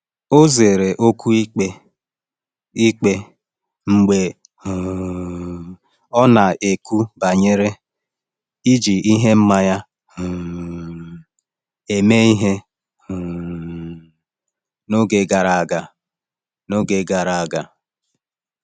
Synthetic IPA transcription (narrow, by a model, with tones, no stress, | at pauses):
o˦ze˨ɾe˨ʔo˦ku˦i˦k͡pe˦ | i˦k͡pe˦ | ŋ͡m̩˨ɡ͡be˨ | ɔ˦na˨e˨ku˦ba˨ɲe˦ɾe˦ | i˦d͡ʒi˨ʔi˦ɦe˦m̩˦ma˦ɲa˦˨ | e˨me˦i˦ɦe˦˨ | no˦ɡe˨ɡa˨ɾa˨a˨ɡa˨ | no˦ɡe˨ɡa˨ɾa˨a˨ɡa˨